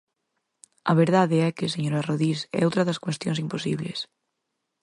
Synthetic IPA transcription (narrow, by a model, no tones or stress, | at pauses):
ɐβeɾðaðeɛkeseɲoɾaroðisɛ̰owt̪ɾɐðɐskwest̪jõ̰ŋsimposḭβlḛs